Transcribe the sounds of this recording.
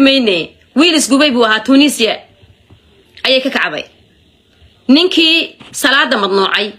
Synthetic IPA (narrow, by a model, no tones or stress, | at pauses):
mɛjnɛ | wiːlɪsɡʊβɛjβuːɐɦaːt̪ʰuniːsɪjɐ | ɐjɛjkʰɐkʰɑʕβɛ̰j | nɪŋkʰiːsɐlaːd̪ɐmɐd̪nuːʕɑj